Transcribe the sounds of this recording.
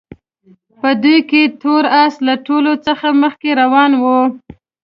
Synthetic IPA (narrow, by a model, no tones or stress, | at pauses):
pəd̪ujket̪oɾaslaʈolot͡səxaməxkeɾawɑnwu